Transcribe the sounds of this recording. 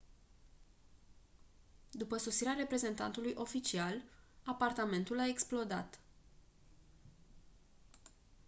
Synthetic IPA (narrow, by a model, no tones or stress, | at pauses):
d̪upəso̞siɾeaɾe̞pɾe̞ze̞nt̪a̰nt̪ulujʔo̞fit͡ʃialapart̪ame̞nt̪ulae̞ksplo̞d̪a̰t̪